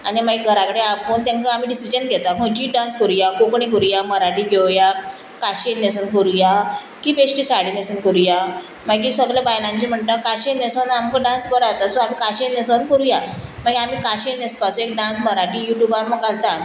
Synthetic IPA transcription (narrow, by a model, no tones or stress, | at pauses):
animaɡiɡʱəɾakəɽeapəːnt̪ãŋkəam̤iɖisid͡ʑənɡʱɛt̪aɦod͡ʑiːɖãnskəɾujakokɳik̬əɾujaməɾaʈiːɡʱewja | kaɕenesənkəɾuja | kiːpeʂʈisaɽiːnesənkəɾuja | məɡiːsəɡlabajlãɲt͡ɕim̤əɳt̪akaɕenesənamkəɖãnskəɾat̪asoamiːkaɕenesənkəɾujam̤əɡiam̤iːkaɕenespasũek̚ɖãnsməɾaʈiːjuʈjubaɾməɡalt̪a